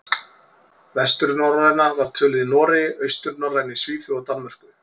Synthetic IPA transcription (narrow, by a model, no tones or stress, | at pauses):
vɛst̪ʏɾnɔwɾaðjnavaɾ̥t̪ʰœːlɪðnɔːɾɪœɥst̪ʏɾnɔwrajnɪsviːθʏɔt̪anmɛr̥kʏ